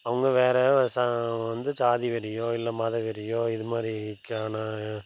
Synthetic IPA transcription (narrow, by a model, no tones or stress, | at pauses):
ɐʋɐŋɡɐʋeːɾɛɐsaʋɐnd̪ɯt͡ʃaːðiʋɐɾɪjoːɪlːɐmaːðɐʋɛɾɪjoːɪðɯmaːd̪ɾikːaːnɐ